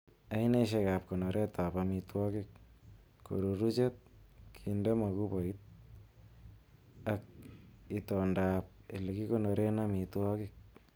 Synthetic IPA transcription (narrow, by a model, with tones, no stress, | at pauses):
a˦i˦ne˦ʃ̬e˧ka˨p̚ko˨no˨ɾʔe˦ta˨pami˧twɔ˦kik̚ː | o̰˨ɾu˨ɾut͡ʃe˦t̪̚kʰinde˦ma˨ku˦bo˨it̚ | ak̚itɔ˨ndap̚e˨li˨ki˦ko˦no˨ɾe˦na˦mi˨twɔ˦kik̚